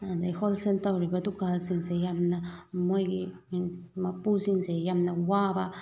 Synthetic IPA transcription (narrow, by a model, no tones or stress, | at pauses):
and̪exolselt̪awɾibad̪ukalsinzejamnameɡi | mapusinzejamnawaba